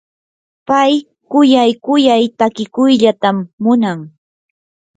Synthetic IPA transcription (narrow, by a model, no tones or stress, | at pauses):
paj | kʊjajkʊjajt̪akɪkʊjʎat̪amːʊnaŋ